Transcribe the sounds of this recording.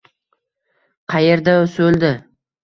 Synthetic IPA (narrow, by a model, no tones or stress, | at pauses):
qʰɑjeɾd̪aɵsɵld̪ɪ